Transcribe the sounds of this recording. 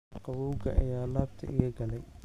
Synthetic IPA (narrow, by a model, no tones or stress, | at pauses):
qɑwɔwɡɐ̰ʔɐ̰jaːlaːbt̪ʰɐ̰ʔɪjɐɡɐlɛj